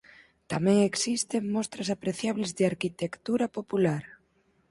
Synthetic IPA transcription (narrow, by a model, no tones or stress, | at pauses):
t̪amɛ̃ŋeksist̪eŋmɔst̪ɾɐsapɾeθjaβlɪzðɪaɾkit̪ekt̪uɾɐpopulaɾ